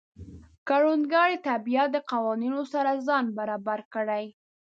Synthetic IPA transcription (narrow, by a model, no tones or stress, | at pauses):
kaɽunɡɑɽet̪abijat̪̚d̪əqawɑninosaɾazɑnbaɾɑbaɾkəɽaj